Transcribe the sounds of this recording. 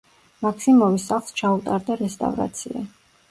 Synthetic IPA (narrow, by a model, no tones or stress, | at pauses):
makʰsimɔvisaχlˠst͡ʃʰaut̪ʼaɾd̪aɾɛst̪ʼa̰vɾa̰t̪sʰia̰